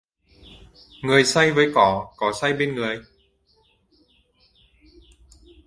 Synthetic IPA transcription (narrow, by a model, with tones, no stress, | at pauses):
ŋɨ˨˩əjsa˧jvəː˨˦jkɔ˧˩kɔ˨˦sa˧jɓe˧nŋɨ˨˩əj